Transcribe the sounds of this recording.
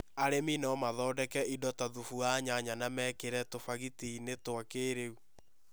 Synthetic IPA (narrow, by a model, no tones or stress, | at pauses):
aɾeminɔmaðɔːdɛkɛʔidɔtaðufuaɲaɲanamɛkeɾɛtofaɣitiːnetwakeːɾeu